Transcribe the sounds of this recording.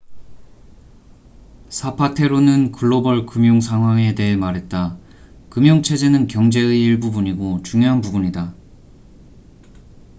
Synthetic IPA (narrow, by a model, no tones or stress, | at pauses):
sʰapʰatʰe̞ɾonɯnkʰɯɭːobʌɭkɯmjoŋsʰaŋɦwaŋe̞de̞ɦemaɾɦe̞t̚t͈a | kɯmjoŋt͡ɕʰe̞d͡ʑe̞nɯnkjʌŋd͡ʑe̞ɯiiɭbubuɲiɡot͡ɕuŋjoɦanpubuɲida